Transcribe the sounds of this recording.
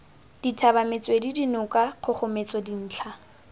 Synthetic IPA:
d̥itʰabamet͡sʼwedidinʊkʼaq͡χʰʊχʊmet͡sʼɔdin̩ːt͡ɬʰa

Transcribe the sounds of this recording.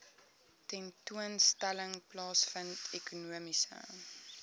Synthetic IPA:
tɛntuənstæləŋplɑːsfəntʰekunuəmisə̰

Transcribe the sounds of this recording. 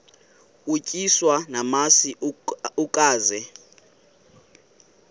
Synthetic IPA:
ucʼiswanamasiukʼaːzɛ

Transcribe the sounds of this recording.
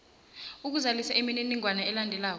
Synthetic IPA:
uk̬uzalisaʔimininiŋʱwanaɛlandʱɛlaːk̬ɔ

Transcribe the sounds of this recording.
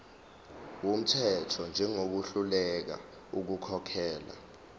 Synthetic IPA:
wom̩tʰɛtʰɔnd͡ʒʱɛŋok̬uɬulɛk̬a̰ | uk̬ukʰɔkʰɛːla̰

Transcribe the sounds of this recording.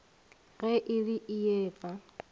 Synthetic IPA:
ɣɛʔɪriʔɪɛːpʼa

